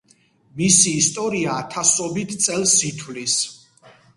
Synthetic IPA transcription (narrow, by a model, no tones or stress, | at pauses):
misiːst̪ʼɔɾiaːt̪ʰasɔbit̪ʰt̪sʼɛlˠsit̪ʰwlis